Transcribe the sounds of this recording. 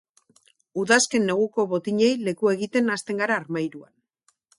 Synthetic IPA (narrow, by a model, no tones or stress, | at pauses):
uðaske̞nːe̞ɣ̞uko̞βo̞t̪iɲe̞jle̞kue̞ɣit̪e̞nast̪e̞ŋɡaɾaːɾmajɾua̰n